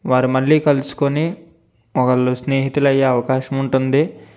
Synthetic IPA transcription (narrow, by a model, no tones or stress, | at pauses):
ʋaːɾumɐlːiːkɐlusu̥koni | ɔkɐɭusne̞ːɦit̪ulɐjːeɐʋɐkaːʃɐmuɳʈund̪i